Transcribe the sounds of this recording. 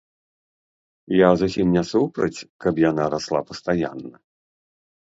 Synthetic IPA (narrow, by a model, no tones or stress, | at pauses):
jazusʲimnʲɛsupɾɐt͡sʲkɐpjanaɾaslˠapɐst̪aja̰nːɐ